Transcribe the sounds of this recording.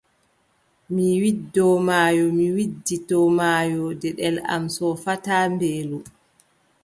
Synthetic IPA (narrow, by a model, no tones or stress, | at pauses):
miwidːɔmaːjɔmiwidːitɔmaːjɔdɛɗɛla̰msɔfataːmbeːlɔ